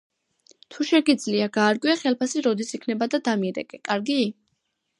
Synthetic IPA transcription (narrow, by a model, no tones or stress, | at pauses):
t̪ʰuʃɛɡid̪zliaɡaːɾɡʼwiaχɛlˠpʰasiɾɔd̪isikʰnɛbad̪ad̪amiɾɛ̰kʼɛkʼaɾɡi